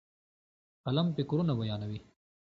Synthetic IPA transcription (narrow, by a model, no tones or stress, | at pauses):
qalampekuɾunabɐjɑːnawi